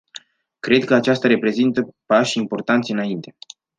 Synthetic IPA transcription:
kɾe̞d̪̚kəat͡ʃast̪aɾe̞pɾe̞zint̪əpaʃʲimpo̞rt̪ant̪seɨnaint̪e̞

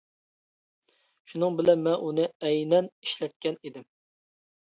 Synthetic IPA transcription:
ʃunɨŋbɪlɛnmɛʔunɨɛjnɛniʃlɛt̪̚kʲɛnid̪ɪm

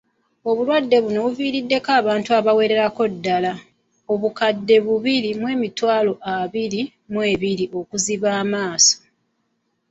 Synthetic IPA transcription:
o̞βulwadːe̞βuno̞βuviːɾidːe̞kaːβaːntuaβawe̞ːɾe̞ɾako̞dːala | o̞βukadːe̞βuβiɾimwe̞ːmitwaːlo̞ʔaβiɾi | mweːβiɾiʔo̞kuziβaːmaːso̥

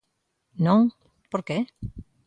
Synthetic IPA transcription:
nõŋ | poɾke

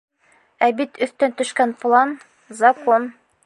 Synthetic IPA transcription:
æbit̪ɵ̆θt̪ɵnt̪ɵ̆ʃkænplˠan | zɐkon

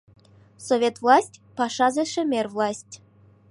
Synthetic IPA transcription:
sovʲet̪vlˠɑsʲtʲpɑʂɑzĕʃɘ̆mʲerʲvlˠɑsʲtʲ

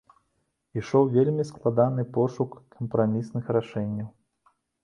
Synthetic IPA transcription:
iʂɔwvʲelʲmʲisklˠad̪anɨpɔʂukːɐmpɾamʲisnɨxɾaʂɛnʲːɐw

